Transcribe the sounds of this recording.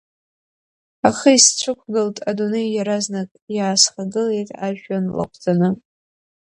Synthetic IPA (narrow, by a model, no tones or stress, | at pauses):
aχəist͡ɕʷʰɨkʷʰɡɨltʼadune̞jjaɾaznakʼjaːsχaɡɨle̞jtʼaʒᶣanla̰qʷʰʼd͡zanɨ